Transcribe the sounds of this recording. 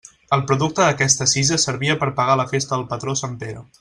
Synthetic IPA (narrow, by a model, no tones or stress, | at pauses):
əlˠpɾuðuk̚t̪əðəkɛst̪əsizəsəɾβiəpəɾpəɣ̞aləfest̪əðəlˠpət̪ɾosampeɾu